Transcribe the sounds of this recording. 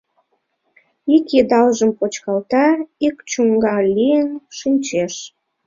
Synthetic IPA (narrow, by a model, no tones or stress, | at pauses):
iked̪ɑlʒəmpot͡ɕkɑlt̪ɑikt͡ɕuŋɡɑlʲijənʃinʲt͡ɕeʃ